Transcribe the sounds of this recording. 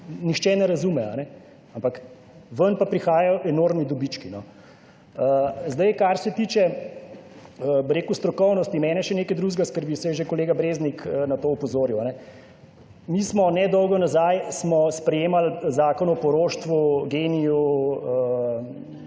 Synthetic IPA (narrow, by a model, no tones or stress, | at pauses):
nixt͡ʃɛnɛɾazumɛa̰nɛ | ampak | ʋənpapɾixaːjajɔʔɛnoːɾmnid̪ɔbit͡ʃkinɔ | əzd̪ɐjkaɾsɛt̪iːt͡ʃɛ | əbəɾeːkust̪ɾɔkɔwnɔst̪imɛːnɛʃɛneːkɛd̪ɾuːʒɡaskəɾbiwsɛʒekɔleːɡabɾeːzniknat̪oːɔpɔzoːɾiwanɛ | mismɔnɛd̪ɔwɡɔnazajsmɔspɾɛjeːmalzaːkɔnɔpɔɾoːʃt̪ʋuɡeːnijuə